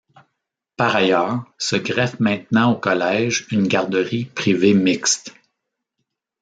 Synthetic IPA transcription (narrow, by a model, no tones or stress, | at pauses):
paʁajœːʁsəɡʁɛvmɛ̃t̪nɑ̃okɔlɛʒynɡʲaʁd̪əʁipʁivemɪkst̪